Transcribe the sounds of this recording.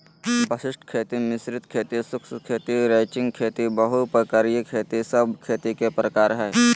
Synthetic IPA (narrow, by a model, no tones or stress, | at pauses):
bəsɪsʈʰkʰeːt̪imɪsɾɪt̪kʰeːt̪isʊkskʰeːt̪iɾeːt͡ʃɪ̃ŋɡkʰeːt̪ibɐɦupəkaɾijəkʰeːt̪isɐbkʰeːt̪ikepɾəkaːɾɦɛː